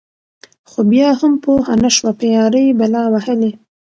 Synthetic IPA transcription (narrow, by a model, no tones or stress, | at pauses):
xobjɑhampohanaʃwapejɑɾəjbalɑwahəle